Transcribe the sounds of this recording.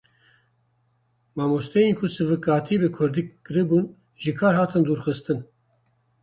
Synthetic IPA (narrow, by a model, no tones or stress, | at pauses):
mɑːmust̪ɛjenkʰʊsɨvɨkɑːt̪ʰibɨkʰʊɾd̪iːkːɨɾɨbuːn | ʒɨkʰɑːɾhɑːt̪ʰɨnd̪uːɾxɨst̪ɨn